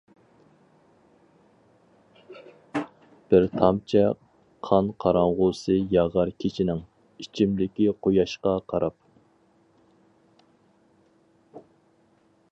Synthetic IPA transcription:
b̥ɪɾt̪ʰɑmt͡ʃʰɛ | qʰɑnqʰɑɾɑɴʁʊsɨjɑʁɑɾkʲʰet͡ʃʰinɪŋ | it͡ʃʰimlɪkʲiqʰojɑʃqɑqʰɑɾɑp̚

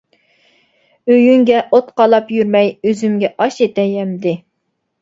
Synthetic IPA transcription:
øjyŋɡʲɛʔot̪qɑlˠɑpjyɾmɛjøzymɡʲɛʔɑʃet̪ɛjɛmd̪ɪ

